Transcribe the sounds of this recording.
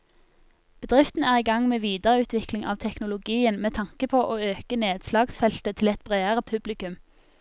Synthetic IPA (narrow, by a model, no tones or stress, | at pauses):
b̥əd̪ʁɪft̪n̩æːʁiːɡɑŋmeːʋiːd̪əʁəʉːt̪ʰʋɪklɪŋʔɑ̰ːʋt̪ʰɛknʊlʊɡiːənmeːt̪ʰɑŋkəpʰoːʔoːøːkəneːd̪slɑːɡsfɛlt̪ət̪ʰɪlɛt̪̚bʁeːəʁəpʰʉblɪkʉm